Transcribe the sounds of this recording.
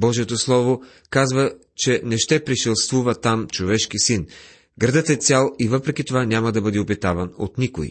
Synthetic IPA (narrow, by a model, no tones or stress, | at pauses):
bɔʒiɛt̪oslˠɔvo | kazvə | t͡ʃɛnɛʃt̪ɛpɾiʃilˠst̪vuvɐt̪amt͡ʃovɛʃk̟isin | ɡɾɐd̪ət̪ɛt̪sʲalˠivɤpɾɛkʲit̪ovanʲamɐd̪ɐbɤd̪iopit̪avɐno̰t̪nikoj̰